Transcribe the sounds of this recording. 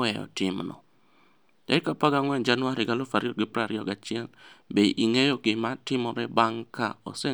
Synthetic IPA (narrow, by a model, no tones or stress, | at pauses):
ɛɔ̰tɪmnɔ̰ | dɛ̰kapaɡaŋwɛnd͡ʒanʊwaɾiɡalofaɾjɔɡɪpɾaɾɪɔɡat͡ʃɪɛlbeʔiŋejoɡɪmatɪmɔɾɛbaŋka̰o̰sɛ